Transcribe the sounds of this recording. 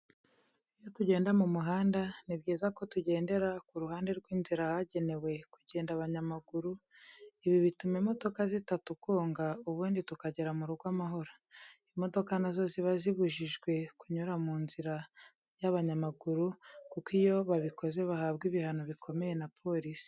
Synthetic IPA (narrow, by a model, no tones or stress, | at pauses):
ijo̞tuɟe̞ːndamumuɦaːndanibɟiːzako̞tuɟe̞ːnde̞ɾakuɾuɦaːnde̞ɾɡwiːnziɾahaɟe̞ne̞we̞kuɟe̞ːndaβaɲamaɡuɾu | iβiβitumemo̞do̞kazitatukoːŋɡauβuːnditukaɟe̞ɾamuɾuɡwamaɦo̞ɾo | imo̞do̞kanazo̞ziβaziβuʒiʒɡwe̞kuɲuɾamuːnziɾa | jaβaɲamaɡuɾukukijo̞βaβiko̞ze̞βahaːbɡiβihanoβikʰo̞me̞je̞napʰo̞ɾisi̥